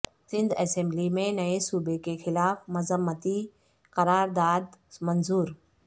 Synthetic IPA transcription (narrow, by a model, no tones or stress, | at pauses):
sɪ̃nd̪ɛːsẽːmblimẽnɐesuːbekexɪlaːfmɐzəmːət̪i | kɐɾaːɾd̪aːd̪mɐnzuːɾ